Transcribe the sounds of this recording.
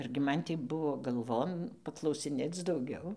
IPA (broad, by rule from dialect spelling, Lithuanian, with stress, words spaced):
ɐrʲɡʲɪ ˈmɐn tʲiː ˈbʊʋoː ɡɐlˠˈʋoːn pɐklˠɐʊsʲɪˈnʲeːt͡s dɐʊˈɡʲɛʊ